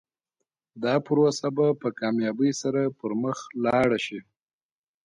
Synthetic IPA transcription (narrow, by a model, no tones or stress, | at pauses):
d̪ɑpɾosabapəkɑmjɑbəjsaɾapəɾməxlɑɽaʃi